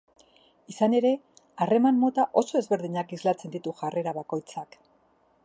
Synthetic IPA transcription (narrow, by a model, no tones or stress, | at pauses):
isane̞ɾe̞ | are̞manmːo̞t̪aʔo̞so̞e̞zβe̞ɾðiɲakizlat͡se̞nd̪it̪uʝare̞ɾaβako̞jt͡sak